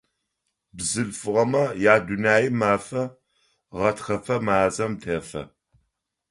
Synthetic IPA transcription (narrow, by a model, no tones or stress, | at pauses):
bzɨɬfɨʁɐmɐjaːdunaːjimaːfɐ | ʁɐtxɐfɐmaːzɐmtʰɐːfɐ̰